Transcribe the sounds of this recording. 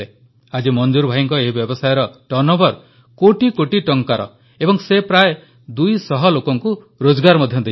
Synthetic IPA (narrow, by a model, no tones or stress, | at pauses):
e | ad͡ʒimɔnd͡ʒuɾbʱajiŋkɔeɦibjɔbɔsajɔɾɔʈɔnɔbɔɾ | koʈikoʈiʈɔŋkaɾɔ̰ | ebɔŋsepɾaj | d̪ujsɔɦɔlokɔŋku | ɾod͡ʒɔɡaɾmɔd̪ʱjɔd̪e